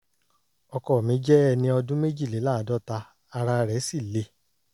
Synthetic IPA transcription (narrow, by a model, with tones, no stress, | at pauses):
ɔ˧kɔ˨mĩ˨˦d͡ʒɛ˦ɛ˦˧nĩ˧ɔ˧dũ˦me˦d͡ʒi˦˨le˨˦la˦˨˦dɔ˦ta˧ | a˧ɾa˧ɾɛ˨˦si˦˨le˧˦